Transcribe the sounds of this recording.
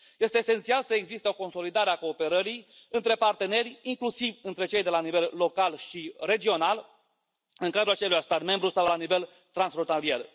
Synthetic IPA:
je̞st̪e̞ːse̞nt̪sialsəeɡzist̪eo̞ko̞nso̞lid̪aɾeako̞ːpe̞ɾəɾijɨnt̪ɾe̞part̪e̞ne̞rʲiŋklusivɨnt̪ɾe̞t͡ʃe̞jd̪e̞lanive̞lːo̞kalʃire̞d͡ʒio̞nal | ɨŋkad̪ɾulat͡ʃelujast̪at̪me̞mbɾusawlanive̞l | t̪ɾansfɾont̪alie̞̰r

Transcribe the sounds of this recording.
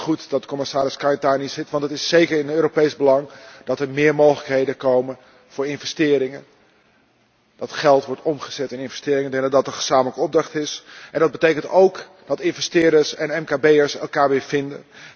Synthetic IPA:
χutdɑt̚əkomɪsaːɾɪskajntaːnisɪtʋɑntətɪsːejkərɪnøːɾopejzbəlɑŋd̥ɑtəɹmɪːɹmowχələkɦejdəkowmən | v̥ʊːɹɪnvɛstɪːɾɪŋən | d̥ɑtχɛlˠtʋɔɹtɔmχəz̥ɛtɪnɪnvɛstɪːɾɪŋədɛnədɑtəχəz̥aːmələkəɔb̚drɑχtɪsʔɛndɑd̚bətejkəntowk | d̥ɑtɪnvɛstɪːɹdəɹsɛnɛmkaːbejəɹsɛ̰lˠkaːɹʋɪːɹv̥ɪndə̰n

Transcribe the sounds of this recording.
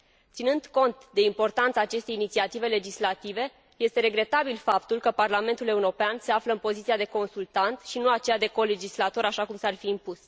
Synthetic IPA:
t̪sinɨnd̪ko̞nt̪d̪e̞impo̞rt̪ant̪saːt͡ʃe̞st̪e̞jinit̪siat̪ive̞le̞d͡ʒislat̪ive̞ | je̞st̪e̞ɾe̞ɡɾe̞t̪abilfapt̪ulkəparlame̞nt̪ule̞uɾo̞peanse̞afləɨnpo̞zit̪siad̪e̞ko̞nsult̪ant̪ʃinuat͡ʃe̞jad̪e̞ko̞le̞d͡ʒislat̪o̞ɾaʃakumsarfiːmpus

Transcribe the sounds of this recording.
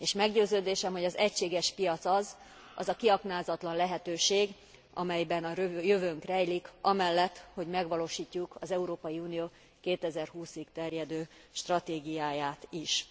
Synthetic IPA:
eːʃmɛɡɟøːzøːd̪eːʃɛmho̞ɟɒzɛcʃeːɡɛʃpijɒt̪sɒz | ɒ̰zɒkiɒknaːzɒt̪lɒnlɛɦɛt̪øːʃeːɡ | ɒ̰mɛjbɛnɒøjøvøŋkrɛjlikɒmɛlːɛt̪ːho̞ɟmɛɡʋɒloːʃiːcːukɒzɛuɾoːpɒjiuːnijoː | keːt̪ɛzɛrɦuːsiɡt̪ɛrjɛd̪øː | ʃt̪rɒt̪eːɡijaːjaːt̪iʃ

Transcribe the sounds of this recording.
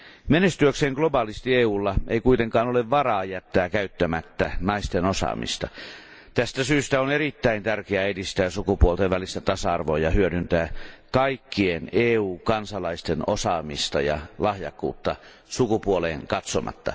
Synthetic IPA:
menest̪yøkseːŋɡ̥lobɑːlist̪ieːuːlːɑʔeikuit̪eŋkɑːnoleʋʋɑrɑːjæt̪ːæːkæyt̪ːæmæt̪ːænɑist̪enosɑ̰ːmḭst̪ɑ | t̪æst̪æsyːst̪æonerit̪ːæint̪ærkeæedist̪æːsukupuolt̪eʋʋælist̪æt̪ɑsɑɑrʋo̰jɑhyødynt̪æːkɑikːieneːuːkɑnsɑlɑist̪enosɑːmist̪ɑjɑ̰lɑhjɑ̰kːṵːt̪ːɑ | sukupuolḛːŋkɑt̪somɑ̰t̪ːɑ̰

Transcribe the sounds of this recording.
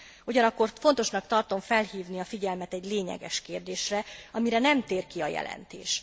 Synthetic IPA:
uɟɒnɒkːo̞rfo̞n̪t̪o̞ʃnɒkt̪ɒrt̪o̞ɱfɛlhiːvniɒfiɟɛlmɛt̪ɛɟleːɲɛ̰ɡɛ̰ʃkeːrd̪eːʃrɛɒmiɾɛnɛmt̪eːrkiɒjɛ̰lɛ̰nt̪ḛːʃ

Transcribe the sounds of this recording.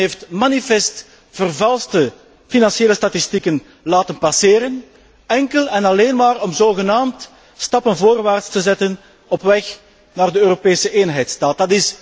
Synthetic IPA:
ɦeːftmanifɛst | v̥ərvɑlˠstə | finɑnseːləstatistikən | laːtənpɑseːɾən | ɛŋkəlɛnɑleːnmaːrɔmzoːɣənaːmt | stɑpənvoːrʋaːrtstəzɛtən | ɔpʋɛx | naːrdəøːɾopeːsəʔeːnɦɛjtstaːt̚dɑtɪs

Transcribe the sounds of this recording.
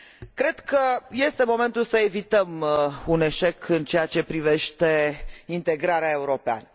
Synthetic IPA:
kɾe̞d̪kəje̞st̪e̞mo̞me̞nt̪ulsəe̞vit̪əmune̞ʃe̞kʰɨnt͡ʃeat͡ʃe̞pɾive̞ʃt̪e̞int̪e̞ɡɾaɾeae̞uɾo̞pea̰nə

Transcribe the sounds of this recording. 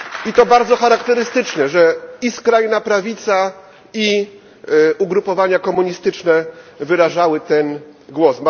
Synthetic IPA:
it̪ɔbaɾd̪zɔxaɾakt̪ɛɾɘst̪ɘt͡ʂnɛʐɛiskɾajnapɾavʲit̪sa | i | uɡɾupɔvaɲakɔmuɲist̪ɘt͡ʂnɛvɘɾaʐawɘt̪ɛnɡwɔsm

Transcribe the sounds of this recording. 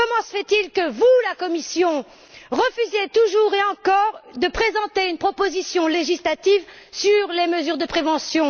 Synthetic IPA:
kɔmɑ̃səfɛt̪ilkəvulakɔmisjɔ̃ | ʁəfyzet̪uʒuʁeɑ̃kɔʁd̪əpχezɑ̃t̪eynpχɔpozisjɔ̃leʒislat̪iv | syʁleməzyʁd̪əpχevɑ̃sjɔ̃

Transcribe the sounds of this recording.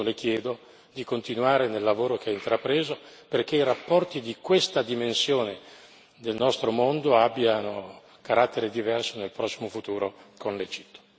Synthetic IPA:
lek̟jɛːd̪o | d̪ikont̪inuaːɾenelːavoːɾok̟eaint̪ɾapɾeːzoperkeiɾapːɔrt̪id̪ikwest̪ad̪imensjoːne | d̪elnɔst̪ɾomond̪oabːjano | kaɾat̪ːeɾed̪ivɛrsonelpɾɔsːimofut̪uːɾokonled͡ʒit̪ːo̥

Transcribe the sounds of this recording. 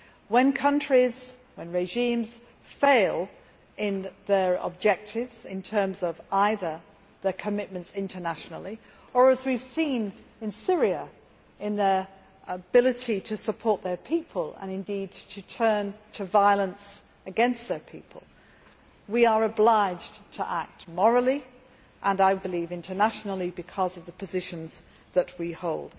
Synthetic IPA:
wə̃nkʰʌ̃nt͡ʃɹ̥iz̥ | wə̃nɹeʒĩmz̥ | feɪlˠ | ɪ̃nðə˞ə̰b̚d͡ʒɛk̚tʰɪvz̥ɪ̰̃ntʰɜ̃˞mzʌvaɪðə˞ | ðə˞kʰəmɪt̚mə̃ntsɪ̃ntʰənaʃnl̩ˠi | ə˞əzwiv̥sĩnɨ̃nsɪɹiə | ɪ̃nðə˞ | əbɪlˠɨɾiɾɨsəpʰɔɹt̪̚ðə˞pʰipʰəlˠə̰̃nɨ̃ndid̚tʰɨtʰɜ̃˞ntʰɨvaɪlˠə̃ns | ɨɡɛ̃nst̪̚ðə˞pʰḭpʰə̰lˠ | wiə˞əblaɪd͡ʒtʰə̰ʔak̚t̚mɔɹl̩ˠi | ʔə̃naɪbɨlivɪ̃ntʰə˞næʃn̩l̩ˠibɨkʰʌzʌvðəpʰɨzɪʃɨ̃nz | ðət̚wihoʊlˠd̥

